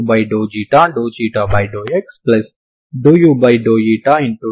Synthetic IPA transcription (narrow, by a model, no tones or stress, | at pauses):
baɪɖoːd͡ʒiːʈãɳɖoːt͡ʃiːʈabaɪɖoːeksplɐs | ɖoːjuːbaɪɖoːjiːʈaːɪ̃ɳʈu